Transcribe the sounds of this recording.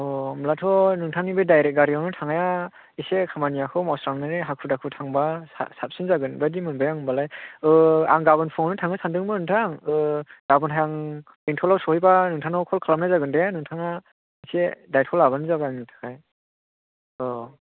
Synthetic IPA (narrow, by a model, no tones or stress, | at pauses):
ɔmlatʰɔnɯŋtʰaŋnibɯjdajɾet̚ɡaɾijawnɯtʰaŋaja | isekʰamanijakʰɯmɔsɾaŋnɯɾiɦakʰudakʰɯtʰaŋbasa̰sap̚sinzaɡɯnbadimɯnbajaŋɯmbalajɯa̰ŋɡabɯnpʰɔŋnɯtʰaŋɯsʰandɯŋmɯnɯŋtʰaŋɯɡ̥abɯnɦajaŋ | intʰɔlawsɔhijbanɯŋtʰaŋawkʰɔlkʰalamnazaɡɯndenɯŋtʰaŋa | isedajtʰɔlaβanɯzabaaŋnitʰḁkʰaj | ɔ